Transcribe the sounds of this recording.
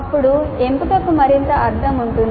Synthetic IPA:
ɐpːuɽue̞mput̪ɐpːumɐɾint̪ɐʔɐɾd̪ʰʱɐmuɳʈun

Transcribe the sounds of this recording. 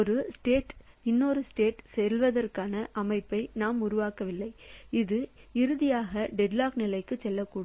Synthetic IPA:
ɔɾɯsʈeːʈɪnːɔɾɯsʈeːʈsɛlʋɐðɐrkaːnɐʔɐmɐɪpːɐɪnaːmʊɾʊʋaːkɐʋɪlːɐɪɪðɯɪɾɯðɪjaːɣɐɖɛɖlaːknɪlɐɪkːɯt͡ʃːɛlːɐkːuːɽ

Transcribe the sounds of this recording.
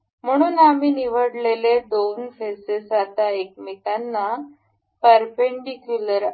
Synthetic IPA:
m̤əɽ̃uːnamiːniʋəɽleled̪onfesesat̪aekmit̪anːa | pəɾpeɳɖikjuləɾ

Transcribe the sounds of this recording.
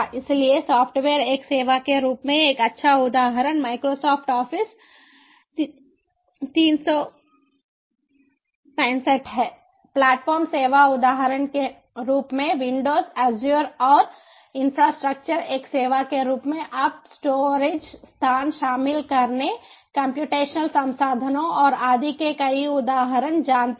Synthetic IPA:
ɪsliesɔːpʰʈʋeːɾeːkseːʋakeɾuːpmẽeːkɐtːʃʰaʊd̪aːɦəɾənmaːɪkɾosɔːpʰʈɔːpʰɪs | t̪iːnsɔ | pɛ̃ːnsəʈɦɛː | plɛːʈfɔːɾmseːʋaʊd̪aːɦəɾənke | ɾuːpmẽʋɪ̃ɳɖoːzɛːzjuɾɔːɾ | ɪnfɾaːsʈɾək̚t͡ʃəɾeːkseːʋakeɾuːpmẽʔɐpsʈoːɾed͡ʒst̪ʰaːnʃaːmɪlkɐɾnekə̃mpjuːʈeːʃnəlsɐ̃msaːd̪ʱənõɔːɾaːd̪ʱikekɐiʊd̪aːɦəɾənd͡ʒaːnt̪

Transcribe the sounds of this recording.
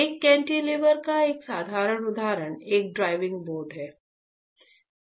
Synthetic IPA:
eːkːɛ̃ːɳʈileʋəɾkaeːksaːd̪ʱaːɾəɽʊd̪ʱaːɾəɽ̃eːk̚ɖɾaːɪʋɪ̃ŋɡboːɾɖɦɛː

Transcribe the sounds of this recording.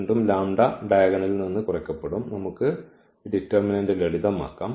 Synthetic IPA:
ɳɖumlaːmɖɐɖɐjɐɣɐɳilninːɨkurɐkʲːɐpːeɽumnɐmukːɨ | ɖitːɐrminɐndɨleɭiðɐma̰ːkːaːm

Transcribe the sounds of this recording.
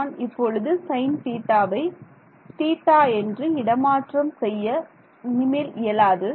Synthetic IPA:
nɪpːɔɻɯðɯsɐɪnt̪iːʈːaːʋɐɪ | t̪iːʈːaːɛndrɯɪɽɐmaːʈrɐmsɛjːɐ | nɪmɐɪlɪjɐlaːðɯ

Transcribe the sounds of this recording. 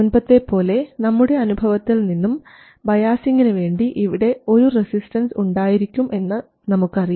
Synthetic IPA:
unbɐt̪ːe̞pːo̞ːle̞nɐmːuɽe̞ɐnubʱɐʋɐt̪ːilninːum | bɐjaːsiŋɡɐnɨʋe̞ːɳɖiʔiʋiɽe̞o̞ɾuresisʈɐnsuɳɖaːjiɾikʲːume̞nːɨ | nɐmukːɨɐriju

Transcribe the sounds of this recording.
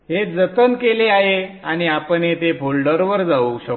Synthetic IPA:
ɦed͡zət̪ənkeleaɦe | aɽ̃iapəɳɦet̪ebʱolɖəɾʋəɾd͡zauɕə

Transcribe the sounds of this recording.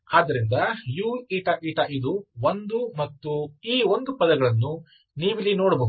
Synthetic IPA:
aːd̪ɐɾind̪ɐjuːiːʈɐʔiːʈɐʔid̪uond̪umɐt̪ːuiːond̪upɐd̪ɐɡɐɭɐnːu | niːʋilinoːɽɐboːɡ

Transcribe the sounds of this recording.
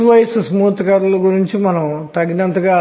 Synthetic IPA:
ʋɐjsusɐmuːt̪kaːɾulɐɡuɾiɲt͡ʃimɐnɐmt̪ɐɡinɐnt̪ɐɡaː

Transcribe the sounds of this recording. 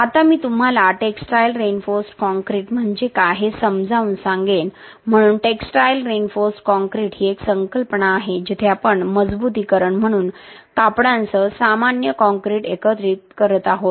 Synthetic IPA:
at̪amiːt̪um̤alaʈeksʈajlɾenfoɾsʈkɔŋkɾiːʈm̤əɳd͡zekaɦesəmd͡zʱauːnsãŋɡen | m̤əɽ̃uːnʈeksʈajlɾenfosʈkɔ̃ŋkɾiʈɦiːeksəŋkəlpnaːɦed͡ʑit̪ʰeapəɳməd͡zbut̪̬iːkəɾəɳm̤əɽ̃uːn | kapɽãnt͡səsamanjəkɔ̃ŋkɾiʈekət̪ɾiːt̪kəɾət̪aɦot̪

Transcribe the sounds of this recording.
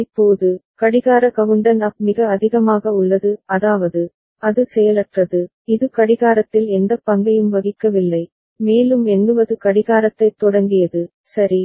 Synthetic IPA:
ɪpːoːðɯkɐɽɪɣaːɾɐkɐʋɯɳɖɐnaːk̚mɪɣɐːðɪɣɐmaːɣɐʊɭːɐðɯɐðaːʋɐðɯ | ɐðɯsɛjɐlɐʈrɐðɯ | ɪðɯkɐɽɪɣaːɾɐt̪ːɪlɛnd̪ɐpːɐŋɡɐjɯmʋɐɣɪkːɐʋɪlːɐɪ | meːlɯmɛnːɯʋɐðɯkɐɽɪɣaːɾɐt̪ːɐɪt̪ːɔɽɐŋɡɪjɐðɯ | sɐɾi

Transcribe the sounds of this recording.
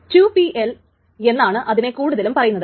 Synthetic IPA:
tjupiʔel | e̞nːaːɳɨʔɐðine̞kuːɽuðɐlumpɐrɐjunːɐðɨ

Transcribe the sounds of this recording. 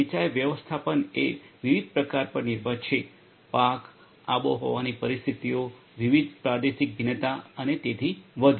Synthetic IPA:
it͡ʃaeʋjəʋəst̪ʰapəneʋiʋid̪̚pɾəkaɾpəɾnɪɾbʱəɾt͡ʃʰe | pak | aboɦo̰ʋanipəɾist̪ʰit̪io | ʋiʋid̪pɾad̪eʃik̚bʱinət̪aənet̪et̪ʰiʋəd̪ʱ

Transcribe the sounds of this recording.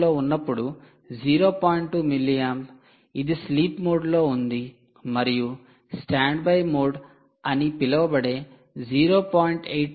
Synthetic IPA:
loːunːɐpːuɽu | d͡ʒiːɾo̞ːpaːjiɳʈʈumilːijɐm | id̪isliːpmoːɖlo̞ːund̪i | mɐɾiju | sʈaːɳɖbɐjmoːɖ | ɐnipilɐʋɐbɐɽeː | d͡ʒiːɾo̞ːpaːjiɳʈejʈ

